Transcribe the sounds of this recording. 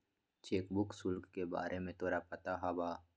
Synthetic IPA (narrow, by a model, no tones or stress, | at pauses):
t͡ʃeːkbʊksʊlkːeba̰ːɾʔemẽt̪oːɾapɐt̪aɦabaː